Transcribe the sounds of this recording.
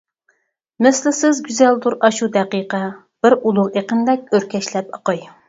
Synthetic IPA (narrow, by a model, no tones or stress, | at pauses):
mɪslɪsɪzɡʲyzɛld̪uɾɑʃud̪ɛqiqɑ | b̥ɪɾulˠʊʁeqənd̪ɛk̚ʲøɾkʲʰɛʃlɛpɑqɑj